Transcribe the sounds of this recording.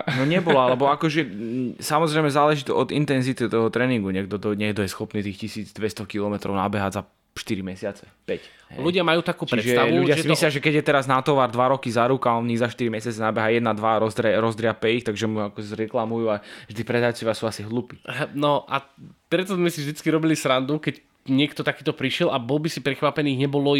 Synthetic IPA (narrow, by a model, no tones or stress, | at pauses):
nɔɲɛbɔlaallɛbɔakɔʒɛsamɔzɾɛɪmɛzaːlɛʒit̪ɔʔɔd̪int̪ɛnzit̪it̪ɔɦɔt̪ɾɛːniŋɡuɲɛɡ̚d̪ɔd̪ɔɲɛɡ̚d̪ɔjɛsxɔpniːt̪iːxcisiːd͡zd̪ʋɛst̪ɔkilɔmɛt̪ɾɔʊnabɛɦaɟza | ʃt̪iɾimɛsɪat͡sɛpɛc | ɦɛ̰luɟɪamajuːt̪akuːt͡ʃɾiɛʒɛt̪lʎuɟɪasimislɪaʒɛkɛɟjɛt̪ɛɾaznat̪ɔʋaɾd̪ʋaɾɔkizaɾukaɔniɣzaʃt̪iɾimɛsɪat͡sɛnabɛɦajɛd̪nad̪ʋaɾɔzd̪ɾɛɾɔzd̪ɾɪapɛixt̪aɡʒɛmuakɔzɾɛklamujuːavʒd̪ipɾɛd̪ajt͡sɔʋɪasuːasiɦlupiːnɔʔapɾɛt̪ɔzmɛsivʒd̪it͡skiɾɔbilisɾand̪ukɛc | ɲɪɛkt̪ɔt̪akiːt̪ɔpɾiʃɪɛlabɔlbisipɾɛxʋapɛniːɲɛbɔlɔ